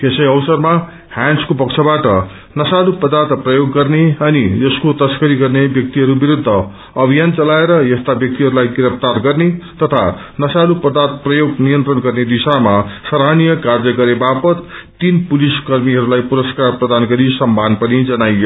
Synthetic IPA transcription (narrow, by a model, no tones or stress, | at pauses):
kesʌjʌwsʌrma | hjanskopʌkt͡sʰʌbaʈʌ | nʌsalupʌd̪at̪prʌjoɡːʌrneʌnijʌskot̪ʌskʌɾiɡʌrnebjʌk̚t̪iɦʌɾubiɾud̪ʱːʌː | bʱijant͡sʌlaeɾʌjʌst̪abjʌk̚t̪iɦʌɾulajɡiɾʌpʰt̪arɡʌrnet̪ʌt̪ʰa̰nʌsalupʌd̪art̪prʌjoɡnijʌnt̪rʌnɡʌrned̪isamasʌɾanijʌkard͡zʌɡʌɾebapʌt̪ː | inpuliskʌrmiɦʌɾulajpuɾʌskarprʌd̪anɡʌɾisʌmbanpʌnid͡zʌnajo